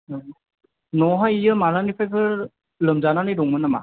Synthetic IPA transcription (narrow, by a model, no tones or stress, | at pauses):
nɔɦɔjijɯmalanipʰajpʰɯ | lɯmzananɯjdɔŋmɯnːama̰